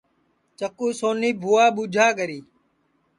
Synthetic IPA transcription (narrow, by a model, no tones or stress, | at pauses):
t͡ʃəkuːsoːniːbʱuːaːɓuːd͡ʒʱaːkəɾiː